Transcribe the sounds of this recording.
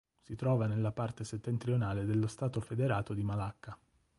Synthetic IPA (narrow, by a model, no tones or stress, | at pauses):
sit̪ɾɔːvanelːapart̪eset̪ːent̪ɾionaːled̪elːost̪aːt̪ofed̪eɾaːt̪od̪imalakːa